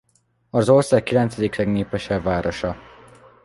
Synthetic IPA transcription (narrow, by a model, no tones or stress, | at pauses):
ɒzo̞rsaːkːilɛnt̪sɛd̪iklɛɡneːpɛʃɛbvaːɾo̞ʃɒ